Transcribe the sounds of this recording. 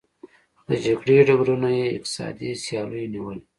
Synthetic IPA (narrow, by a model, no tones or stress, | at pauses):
d̪̥əd͡ʒɐɡɽiɖaɡɾunajeɪ̰q̚t̪ɪ̥sɑ̰ːd̪isijɑːluniwəl